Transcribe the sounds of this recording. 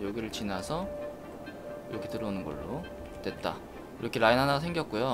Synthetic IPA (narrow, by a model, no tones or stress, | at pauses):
joɡiɾɯɭt͡ɕinasʰʌ | iɾʌkʰe̞tɯɾʌunɯnɡʌ̰ɭːo | twe̞t̚t͈a̰ | iɾʌkʰeɾainɦanasʰe̞ŋɡjʌk̚k͈ujo